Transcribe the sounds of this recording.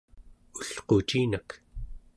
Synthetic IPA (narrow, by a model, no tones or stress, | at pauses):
uɬqot͡ʃiːnak